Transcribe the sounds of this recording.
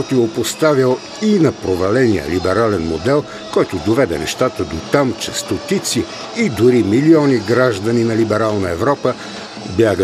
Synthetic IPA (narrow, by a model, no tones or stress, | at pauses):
ot̪iopost̪avjəlˠ | inɐpɾovɐlɛnijə̰libɛɾalɛnmod̪ɛlˠ | kɔjt̪ʊd̪ovɛd̪ɛ̰nɛ̰ʃt̪at̪əd̪ot̪amt͡ʃɛst̪ot̪it̪siː | d̪ʊɾimiliɔniɡɾaʒd̪əninɐlibɛɾalˠnəɛvɾɔpə | bjaɡə